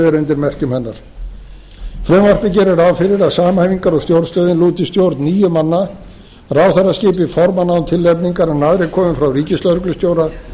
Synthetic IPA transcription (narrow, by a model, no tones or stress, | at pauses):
ðɪɾʏnt̪ɪɾmɛr̥cʏmhɛnːaɾ̥ | fɾʏmvar̥pɪcɛɾɪɾavfɪɾɪɾaðsaːmahajviŋkaɾɔɣst̪jowɾst̪œːðɪnluːt̪ɪst̪jowɾt̪niːjʏmanːa | raːwθarascɪːpɪfɔɾmanawnt̪ʰɪlːɛpniŋkaɾɛnaðɾɪkʰɔːmɪfɾawriːcɪst̪lœɾʏklʏst̪jowɾa